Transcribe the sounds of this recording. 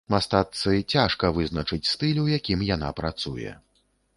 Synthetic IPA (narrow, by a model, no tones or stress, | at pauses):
mast̪at̪sɨt͡sʲaʂkɐvɨznɐt͡ʂɨt͡sʲst̪ɨlʲwjakʲimjana̰pɾat̪sujɛ̰